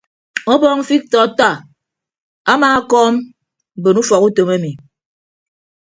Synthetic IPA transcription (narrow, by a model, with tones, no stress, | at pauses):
ɔ˦bɔ˦ŋ̩˦fi˦k̚tɔ˨ta˦˨ | a˦maː˨a˦kɔː˦m̩˨ | bo˨nu˦fɔ˨ku˦to˨me˦mi˨